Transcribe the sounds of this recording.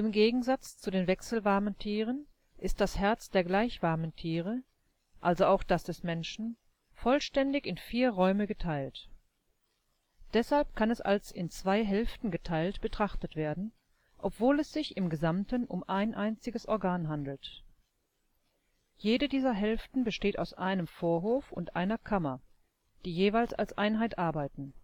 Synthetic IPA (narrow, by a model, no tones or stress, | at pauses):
ʔɪmɡeːɡŋ̩zat͡st͡sudeːnvɛksl̩vaɐməntʰiːʁ̞ən | ʔɪst̚d̥ashɛɐt͡sd̥eːɐɡlaɪçv̥aɐməntʰiːʁ̞ə | ʔalzoaʊxd̥asd̥ɛsmɛnʃn̩ | fɔlʃtɛndɪçɪnfiːɐʁɔʏməɡətʰaɪlt | d̥ɛshalpkʰanɛsʔa̰lsɪnt͡sv̥aɪɦɛlftn̩ɡətʰaɪltb̥ətʁ̥aχtətv̥eːɐdn̩ | ʔɔpv̥oːlɛsz̥ɪçɪmɡəzamtənʔʊ̰mʔaɪnʔaɪnt͡sɪɡəsʔɔɐɡaːnɦandl̩t | jeːdədiːzɐɦɛlftn̩bəʃteːtaʊsʔaɪnəmfoːɐɦoːfʊ̰ntʔaɪnɐkʰamɐ | d̥iːjeːvaɪlsa̰lsʔaɪnɦaɪtʔaɐbaɪtn̩